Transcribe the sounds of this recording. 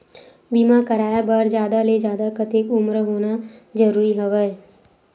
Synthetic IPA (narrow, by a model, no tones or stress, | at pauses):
biːmãkəɾaːjabaːɾd͡ʒjaːd̪aled͡ʒjaːd̪akət̪ekʊmɾɦoːnazəɾuːɾiɦɐʋəe